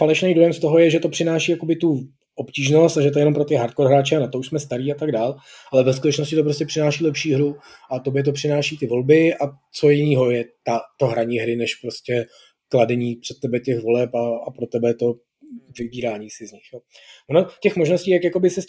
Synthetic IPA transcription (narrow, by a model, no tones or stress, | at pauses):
falɛʃnejdojɛmst̪oɦo̞jɛʒɛt̪o̞pr̥ɪnaːʃiːjako̞bɪt̪u | ʔopciːʒno̞st̪aʒɛt̪ojɛnompɾot̪ɪɦaɾt̪koɾɦɾaːt͡ʃɛanat̪ouʃsmɛst̪aɾiːat̪aɡdaːl | ʔalɛvɛskut̪ɛt͡ʃno̞scɪt̪o̞pɾo̞scɛpr̥ɪnaːʃiːlɛpʃiːɦɾuʔat̪objɛt̪̬opr̥ɪnaːʃiːt̪ɪvo̞lbɪa | t͡so̞jɪniːɦo̞jɛt̪at̪oɦɾaɲiːɦɾɪnɛʃpɾo̞scʲɛ | kladɛɲiːpr̥ɛt̪̚ːɛbɛcɛxvo̞lɛpaapɾot̪ɛbɛt̪o̞ | vɪbiːɾaːɲiːsɪzɲɪxjoː | ʔonocɛxmoʒno̞sciːj̪akjako̞bɪsɪs